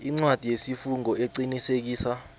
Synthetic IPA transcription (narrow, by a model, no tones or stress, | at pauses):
iŋ͡ǀwad̥ʱijesifuŋɔʔeǀinisek̬iːsa